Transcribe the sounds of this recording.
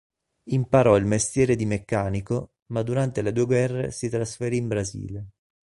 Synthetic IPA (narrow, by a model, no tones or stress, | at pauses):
impaɾɔilmest̪jɛːɾed̪imekːaːniko | mad̪uɾant̪eled̪uːeɡwɛrːḛsit̪ɾasfeɾiːmbɾazḭːle